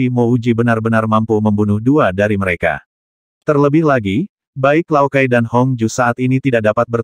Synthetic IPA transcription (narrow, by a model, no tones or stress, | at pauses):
imoud͡ʒibənarbənarmampuməmbunʊhduadaɾiməɾeka̰ | t̪ərləbɪhlaɡi | baɪklawkajdanhɔŋd͡ʒusaat̪init̪idaʔ̚dapat̪̚bər